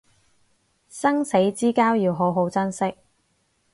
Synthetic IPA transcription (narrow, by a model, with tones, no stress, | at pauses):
sɐ˥ŋse˨˥jt͡siː˥kaː˥wjiː˨˧wɦo˨˥wɦo˨˥wt͡sɐ˥nsɪ˥k̚